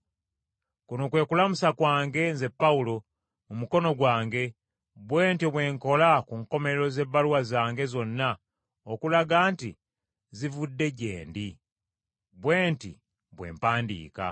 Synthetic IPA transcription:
kunokwe̞ːkulamusakwaːŋɡe̞nze̞pːaulo̞ | mumuko̞no̞ɡwaːŋɡe̞ | βwe̞ːntiβwe̞ːŋko̞lakuŋko̞meeɾo̞ze̞βːaluwazaːŋɡe̞zo̞nːa | okulaɡaːnti | zivudːe̞ɟe̞̰ːndi | βwe̞ːntḭ | βwe̞̰ːmpaːndḭːka̰

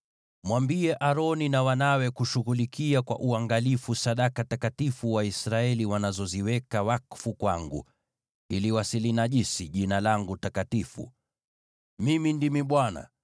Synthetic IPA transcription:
mwambiɛʔaɾɔninawanawɛkuʃuɣulikiakwa̰ʔuaŋɡalifusaɗakatakatifuwaisɾaɛliwanazɔziwɛkawakfukwaŋɡṵ | iliwasilinaʄisiʄinalaŋɡutakatifṵ | mimindimiɓwana̰

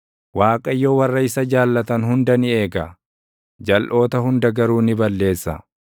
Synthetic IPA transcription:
waːkʼɐjːoːwɐrːɐɪsɐd͡ʒaːlːɐt̪ɐnhʊnd̪ɐnɪeːɡɐ | d͡ʒɐlʔo̞ːt̪ɐhʊnd̪ɐɡɐɾuːnɪbɐlːe̞ːsːɐ

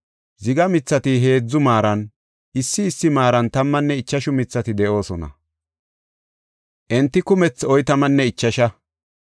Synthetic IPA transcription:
zɪɡɐmɪt͡sːɐt̪ɪɦe̞ːd͡zːʊmaːɾɐn | ʔɪsːɪːsːɪmaːɾɐnt̪ɐmːɐnːɛɪt͡ʃːɐʃʊmɪt͡sːɐt̪ɪd̪ɛʔo̞ːsɔnɐ̰ | ʔɛnt̪ːɪkʊmɛt͡sɔjt̪ɐmɐnːɛɪt͡ʃːɐʃɐ

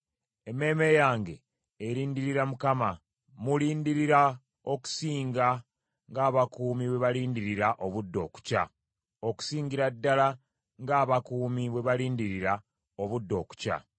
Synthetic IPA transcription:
eme̞ːme̞jaːŋɡe̞ː | ɾiːndiɾiɾamukama | muliːndiɾiɾa | o̞ku̥siːŋɡa | ŋɡaːβakuːmiβwe̞βaliːndiɾiɾaʔo̞βudːo̞ːku̥ca̰ | o̞ku̥siːŋɡiɾadːala | ŋɡaːβakuːmiβwe̞βaliːndiɾiɾa | o̞βudːo̞ːku̥ca̰

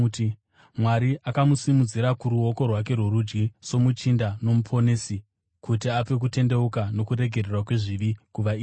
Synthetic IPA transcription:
t | mwaɾiʔakamusimud͡ziɾakuɾuo̞ko̞rwak̬e̞rwoɾud͡ʒɡiso̞mut͡ʃindano̞mupʰo̞nesi | kutiap͡fe̞k̬ute̞nde̞ukano̞kuɾe̞ɡʱererwakwe̞ʐiʋiɡ̥uʋaiː

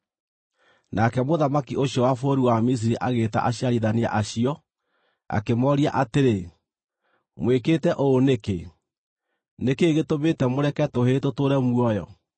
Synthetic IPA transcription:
nʔakɛmoðamakiʔoɕjɔwafoɾiwamis̬iɾiʔaɣeːta̰ʔaɕiaɾiðania̰ʔaɕiɔ | a̰kemɔɾiaʔateɾe | mwekeːtɛʔoːneke | nekeːɣetometɛmoɾɛkɛtohetotoɾɛmwɔjɔ̰

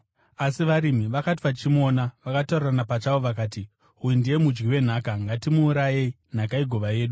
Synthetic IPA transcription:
asiʋaɾimiʋakati̥pat͡ʃimo̞ːnaʋakataureranapat͡ʃawoʋakaːt̬i | ujindije̞mud͡ʒɡiwe̞n̤aːkaŋɡatimuːɾajei | n̤akaiɡʱo̞ʋaje̞ːɗu

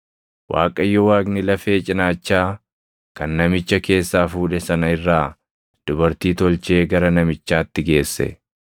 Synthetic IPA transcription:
wʔa̰ːkʼɐjːɔwaːɡnɪlɐfe̞ːt͡ʃʼɪnaːt͡ʃːaː | kɐnːɐmɪt͡ʃːɐke̞ːsːaːfuːᶑɛsɐnɐɪrːaː | d̪̥ʊbɐɾt̪iːt̪ɔlt͡ʃe̞ːɡɐɾɐnɐmɪt͡ʃːaːt̪ːɪɡe̞ːsːɛ̰

